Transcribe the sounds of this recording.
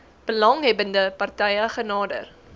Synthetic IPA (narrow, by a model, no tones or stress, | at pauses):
b̥əlɐŋɦɛbəndəpɐrtɛjəχənɑːdə̰r